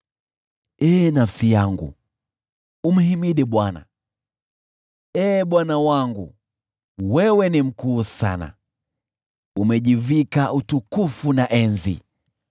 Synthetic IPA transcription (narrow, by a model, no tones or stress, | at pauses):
ɛːnafsijaŋɡṵ | um̩himiɗɛɓwana̰ | ɛːɓwanawaŋɡṵ | wɛwɛnim̩kuːsa̰na̰ | umɛʄivikaʔutukufunaʔɛnzḭ